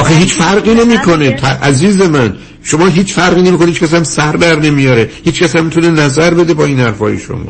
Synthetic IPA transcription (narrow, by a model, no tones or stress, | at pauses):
ʔɒːxeɦiːt͡ʃfæɾɢiːnemiːkʰonet̪ʰæʔæziːze̞mæn | ʃomɒːɦiːt͡ʃfæɾɣiːnemikonehit͡ʃːkʰʲæs̬æmsæɾd̪æɾne̞mijɒːɾehiːt͡ʃkʰʲæsæmːit̪ʰunenæzæɾbe̞d̪ebɒːiːnhæɾfɒ̰ːjḛʃo̰mɒ̰ː